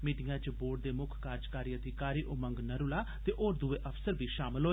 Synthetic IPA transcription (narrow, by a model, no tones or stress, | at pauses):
miːʈɪjãːt͡ʃəboːɖ̚d̪eːmʊkʰkaːɾd͡ʒkaːɾiːəd̪ʱikaːɾiːʔʊmə̃ŋɡnəɾʊlaːt̪eːʔoːɾd̪uʋeːʔəfsəɾʋiːʃaːmɪlɦoːe